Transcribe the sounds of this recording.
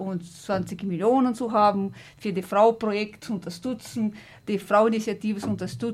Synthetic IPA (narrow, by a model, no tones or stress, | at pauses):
ʊntt͡sv̥ant͡sɪçmiljoːnənt͡suɦaːbm̩ | fyːɐdifʁaʊpʁojɛktt͡suʊntɐʃtʏt͡sn̩ | d̥ifʁaʊinit͡sjatiːvəsʊntɐʃtʏ